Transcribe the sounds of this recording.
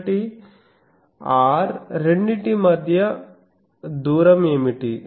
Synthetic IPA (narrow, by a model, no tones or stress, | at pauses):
ʈi | aːɾɾeɳɖiʈimɐd̪ʱjɐ | d̪uːɾɐmemiʈi